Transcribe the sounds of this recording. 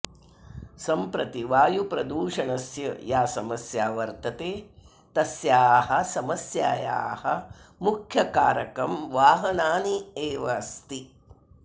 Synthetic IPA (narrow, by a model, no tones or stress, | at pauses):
sɐmpɾɐt̪iʋaːjupɾɐd̪uːʂɐɳɐsjɐ̰jaːsɐmɐsjaːʋɐɾt̪ɐt̪eː | t̪ɐsjaːhɐsɐmɐsjaːja̰ːhɐmukʰjɐkaːɾɐkɐmʋaːɦɐnaːnieːʋɐst̪i